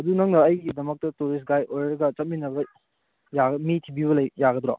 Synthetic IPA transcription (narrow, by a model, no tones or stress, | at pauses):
ɐdunɐŋnɐːjɡidɐmɐk̚tɐtuɾis̬ɡajojɾɐɡɐt͡ʃɐt̚minɐbɐ | jaɡmitʰibibɐlɐjjaɡɐdɾa̰